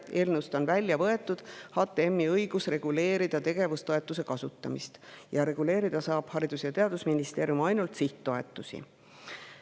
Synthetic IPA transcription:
e̞ːlnust̪onvælʲːjɑvɤe̞t̪ːˑud̪̥hɑːt̪ːˑeemːiɤjɡ̥usre̞ɡ̥ule̞ːɾid̪̥ɑt̪e̞ɡ̥e̞vust̪o̞e̞t̪ːˑuse̞kɑsut̪ːˑɑmist̪jɑɾe̞ɡ̥ule̞ːɾid̪̥ɑsɑːb̥hɑɾid̪̥usjɑt̪e̞ɑd̪usminist̪e̞ːɾjumɑjnult̪siht̪ːo̞e̞t̪ːˑusḭ

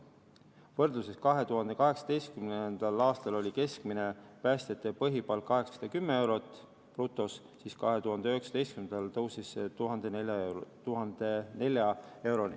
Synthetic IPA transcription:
vɤrd̪̥luseskɑɦe̞t̪uɦɑnd̪̥e̞kɑɦe̞ksɑ̥d̪e̞jst̪̚kymnend̪̥ɑlɑːst̪ɑlo̞lʲike̞skmine̞pæst̪et̪ːˑepɤɦipɑlkɑɦe̞ksɑ̥sɑd̪̥ɑkymːee̞wɾo̞t̪ːˑ | prut̪ːˑo̞s | siːskɑɦe̞t̪uɦɑnd̪eøheksɑ̥d̪e̞jst̪kymnd̪ɑlt̪ɤwsisːet̪uɦɑnd̪̥e̞nelʲjɑt̪uɦɑnd̪̥e̞ne̞lʲjɑe̞wɾo̞nḭ

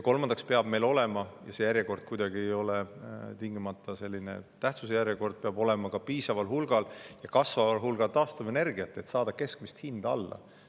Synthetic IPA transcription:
jko̞lmɑnd̪̥ɑkspeɑb̥me̞jlo̞lɛ̞mɑjɑse̞jæɾjeko̞rd̪̥̚kujd̪̥ɑɡ̥ie̞jo̞lɛt̪iŋɡimɑt̪ːˑɑse̞lʲːine̞̰t̪æht̪sus̬ejæɾjeko̞rd̪̚peɑbo̞lɛ̞mɑkɑpiːsɑvɑlhulɡ̥ɑljɑkɑsvɑvɑlɦulɡ̥ɑlt̪ɑːst̪uve̞ne̞rɡ̥iɑt̪ːˑe̞t̪sɑːd̪̥ɑke̞skmist̪hind̪̥ɑ̰lːɑ̰

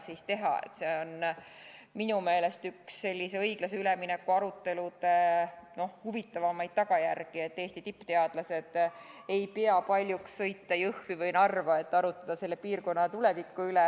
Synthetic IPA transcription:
sist̪e̞ɦɑ̰ḛt̪se̞o̞n | minume̞ːle̞st̪yksːe̞lʲːise̞ɤjɡ̥lɑseyleminekːuɑɾut̪ːe̞lut̪eno̞hhuvit̪ːˑɑvɑmɑjd̪̥̚t̪ɑɡ̥ɑjærɡ̥ie̞t̪ːeːst̪it̪ipːˑt̪e̞ɑd̪̥lɑse̞d̪̥e̞jpeɑpɑlʲjuksːɤ̞jt̪ːɑjɤhvivɤjnɑrvɑe̞t̪ːɑɾut̪ːˑɑd̪̥ɑse̞lːe̞piːrko̞nːɑt̪ulevikːˑuylɛ

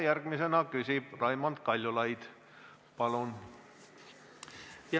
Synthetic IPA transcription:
jærɡ̥misenɑkysʲib̥rɑjmɑnt̪kɑlʲjulɑjd̪̥ | pɑlun | j

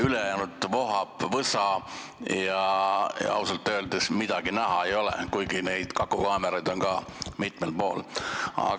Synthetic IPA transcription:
ylejænud̪vo̞ɦɑpvɤsɑ | jɑj̰ɑ̰wsɑlt̪ːˑøːld̪esmid̪̥ɑɡ̥inæɦɑe̞jo̞lḛkujɡine̞jd̪̥kɑkːˑukɑːmeɾɑjd̪̥o̞nkɑːmit̪melpo̞̰ːlɑ̰

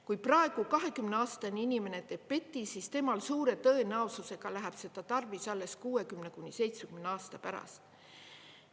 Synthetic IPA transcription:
kujprɑe̞ɡ̥ukɑɦe̞kymneɑːst̪ɑnʲiinʲime̞ne̞t̪e̞ːb̥̚pe̞t̪ːisist̪e̞mɑlsuːɾe̞t̪ɤenɑosuse̞ɡ̥ɑlæɦæb̥se̞d̪̥ɑt̪ɑrvisɑlːe̞skuːe̞kymne̞kunʲise̞jt̪sekymneɑːst̪ɑpæɾɑ̰st̪

